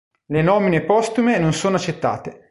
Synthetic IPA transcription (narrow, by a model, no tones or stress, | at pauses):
lenɔːminepɔst̪umenonsoːnoat͡ʃːet̪ːa̰ːt̪e